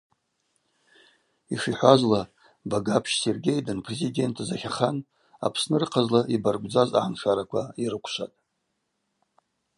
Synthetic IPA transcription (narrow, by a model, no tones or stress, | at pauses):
iʂiħʷazla | baɡapʰʃserɡʲe̞jdɨnpʰrezide̞ntʰazaχʲaχan | a̰pʰsnɨrɨqʰazlaʔibarɡʷʼd͡zaza̰ʕanʂaɾakʷʰaiɾɨkʷʰʃʷatʼ